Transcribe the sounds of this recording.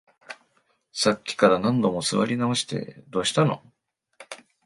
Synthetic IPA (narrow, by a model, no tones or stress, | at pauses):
sakʲːi̥kaɾanãnd̪o̞mo̞sɨβa̰ɾʲinao̞ɕi̥t̪e̞̰d̪o̞ːɕi̥t̪ano̞̰